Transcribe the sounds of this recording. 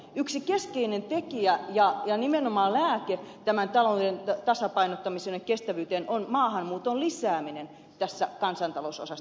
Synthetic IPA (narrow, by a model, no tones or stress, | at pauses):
yksikeskeinent̪ekiæjɑjɑnimenomɑːllæːket̪æmænt̪ɑlodent̪ɑsɑpɑinot̪ːɑmisenːekkest̪æʋyːt̪enʔonmɑːhɑnmuːt̪ollisæːminen | t̪æsːækɑnsɑnt̪ɑlouso̰sɑs